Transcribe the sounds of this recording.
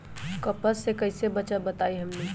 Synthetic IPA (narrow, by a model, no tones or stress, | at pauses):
kəpəsːekəɪsebəːt͡ʃabət̪aiɦəmne